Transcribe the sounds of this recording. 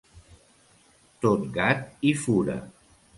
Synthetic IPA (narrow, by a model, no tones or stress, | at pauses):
t̪ot̪̚ɡat̪ifuɾə̰